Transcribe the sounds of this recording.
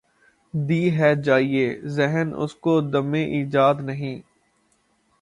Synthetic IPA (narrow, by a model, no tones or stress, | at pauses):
d̪iːɦɛːd͡ʒaːieːzɛɦənʊ̰skod̪ɐmẽʔiːd͡ʒaːd̪nɐɦĩː